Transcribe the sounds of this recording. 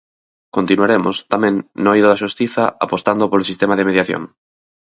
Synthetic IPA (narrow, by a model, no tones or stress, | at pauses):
kont̪inuaɾemost̪amɛ̃ŋnːoiðoðaʃust̪iθɐa̰post̪and̪opoɾlosist̪emaðemeðjaθjo̰ŋ